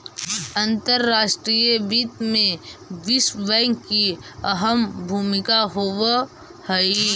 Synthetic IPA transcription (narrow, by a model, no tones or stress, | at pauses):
ə̃nt̪əɾːaːʃʈɾijəbiːt̪mẽʋɪsʋɛŋkkːiəɦəmbʱuːmɪkaɦoːʋ | həi